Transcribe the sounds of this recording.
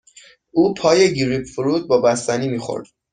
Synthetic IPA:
ʔuːpʰɒːje̞ɟiɾibfuɾuːd̪̚bɒːbæst̪æniːmiːxo̰ɾd̪̥

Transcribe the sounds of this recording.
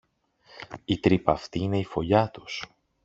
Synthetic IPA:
it̪ɾipɐft̪iine̞ifo̞ʎɐt̪u̥s

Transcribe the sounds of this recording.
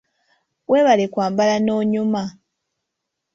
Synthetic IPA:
wʔeːβalekwaːmbalano̞ːɲuma

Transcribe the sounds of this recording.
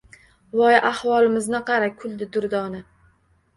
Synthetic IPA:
wɒjʔahwɒlɪmɪznɪqʰɑɾakʰʊld̪ɪd̪ʊɾd̪ɒnɪ

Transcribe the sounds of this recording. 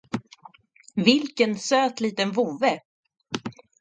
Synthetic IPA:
vɪlkənsøːt̪liːt̪ənvuːvə

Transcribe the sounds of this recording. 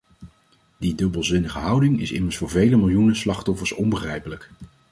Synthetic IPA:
didɵbəlˠzɪnəχəɦʌwdɪŋɪ̰sɪ̰məɹsfʊːɹvejləmɪlˠjunəslɑχtɔfəɹsɔmbəχrɛjpələk

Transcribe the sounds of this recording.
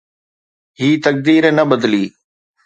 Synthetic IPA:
ɦiːt̪ək̚d̪iːɾenəbəd̪liː

